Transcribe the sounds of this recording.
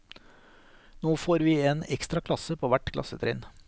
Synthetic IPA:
noːfoːɾʋiːeːnɛkst̪ɾɑkʰlɑsəpʰoːʋæʈkʰlɑ̰sət̪ʰɾḛːn

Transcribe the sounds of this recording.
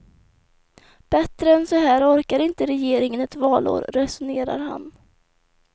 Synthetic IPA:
b̥ɛt̪ɾəɛnsɔɦæːɾɔɾkaɾɪnt̪əɾɛjeːɾɪŋənɛt̪vɑːlʔo̰ːɾɾɛsʊneːɾa̰ɾha̰n

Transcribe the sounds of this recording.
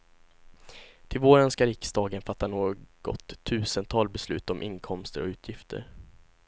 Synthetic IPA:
t̪ʰɪlvoːɾœnskaɾɪksd̪ɑːɡənfat̪ːanoːɡ̥ɔ̰t̪ʰːʉ̟ːsənt̪ʰɑːlbɛslʉ̟̰ːt̪ɔmʔɪnkʰɔmst̪əɾɔ̰ʉ̟ːt̪ʰjɪft̪ʰə̰ɾ

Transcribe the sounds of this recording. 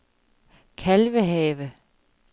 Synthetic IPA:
kʰælʋəɦɛːʋə

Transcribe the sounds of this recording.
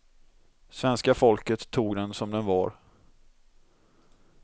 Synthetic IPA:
svɛnskafɔlkət̪ʰːuːɡd̪ɛnsɔmd̪ɛnvɑɾ

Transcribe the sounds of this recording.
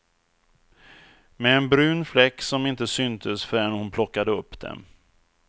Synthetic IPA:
mɛːnbɾʉ̟ːnflɛkːsɔmɪnt̪əsʏnt̪ʰəsfœɾɛnhʊnpʰlɔkːad̪əɵpːd̪ɛ̰m

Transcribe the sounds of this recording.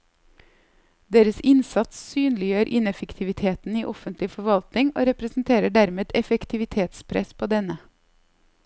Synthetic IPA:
d̪eːɾəsɪnsɑt̪ssyːnlɪjøːɾʔɪnɛfəkt̪ʰɪʋɪt̪ʰeːt̪n̩iːʔɔfənt̪lɪfɔɾʋɑlt̪nɪŋo̰ːɾɛpɾəsn̩t̪ʰeːɾəɖæɾmeːd̪ɛfɛkt̪ʰɪʋɪt̪ʰeːt̪spʰɾɛ̰spʰoːd̪ɛnə

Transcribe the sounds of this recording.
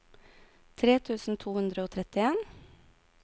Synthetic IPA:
t̪ʰɾeːt̪ʰʉːsn̩t̪ʰuːhʉnd̪ɾəoːt̪ʰɾɛt̪ɪeːn

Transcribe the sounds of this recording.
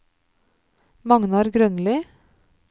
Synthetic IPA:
mɑŋnɑɾɡɾœnliː

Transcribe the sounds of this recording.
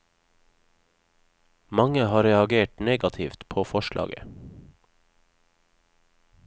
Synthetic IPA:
mɑŋəhɑːɾɛɑɡeːʈneːɡɑt̪ʰɪft̪pʰoːfɔʃlʔɑ̰ːɡə̰

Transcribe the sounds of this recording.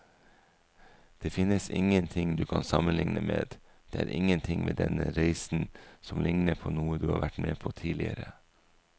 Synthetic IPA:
d̪̥eːfɪnːəsɪŋənt̪ʰɪŋd̪ʉːkʰɑnsɑmənlɪŋnəmeːd̪ | d̪̥eːæːɾʔɪŋːənt̪ʰɪŋmʔeːd̪ɛnəɾæɪsn̩sɔmlʔɪŋnəpʰoːnuːəd̪ʉːhɑ̰ːʋæʈmeːpʰoːt̪ʰiːlɪəɾə

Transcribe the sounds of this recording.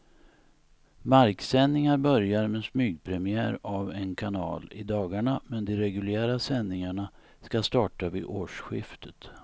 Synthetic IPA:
maɾksɛnːɪŋaɾbœɾjaɾmɛsmyːɡ̚pʰɾɛmɪæːɾavɛnkʰanɑ̰ːlɪ̰d̪ɑːɡaɳamɛnd̪ɛɾɛɡɵljæːɾasɛnːɪŋaɳa | skast̪ɑːʈavɪʔoːʂɧɪft̪ʰə̥t̪

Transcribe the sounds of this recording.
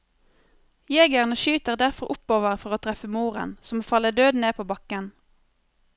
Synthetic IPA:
jeːɡjæːʁnəʃyːt̪əʁd̪æʁfɔʁʔʊpoːʋəʁfɔʁoːt̪ʰʁɛfəmuːʁə̰nsɔmoːfɑləd̪øːd̪neːpʰoːbɑkən

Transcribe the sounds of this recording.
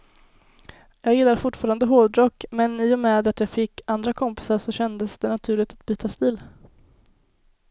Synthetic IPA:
jɑːɡjɪlːaɾfʊʈːfɑːɾand̪əɦoːvd̪ɾɔkːmɛniːɔmɛːd̪at̪jɑːɡfɪkːand̪ɾakʰɔmpɪ̥saʂɔɕɛnd̪əsd̪ɛnat̪ʰʉ̟ːɭɪɡ̚t̪at̪̚byːt̪ʰast̪ɪl

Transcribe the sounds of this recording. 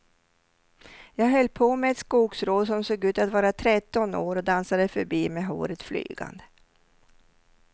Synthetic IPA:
jɑːɡɦœlːpʰomɛɛt̪skuːksɾoːd̪sɔmsoːɡʉ̟ːt̪at̪vɑːɾat̪ʰɾɛt̪ːɔnoːɾɔd̪ansad̪əfœɾbiːmɛɦo̰ːɾət̪fly̰ːɡa̰nd̪ə

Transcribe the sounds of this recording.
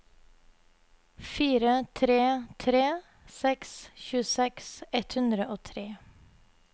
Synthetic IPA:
fiːɾət̪ʰɾeːt̪ʰɾeː | sɛksçʉːəsɛksɛt̪hʉnd̪ɾəʔoːt̪ʰɾeː

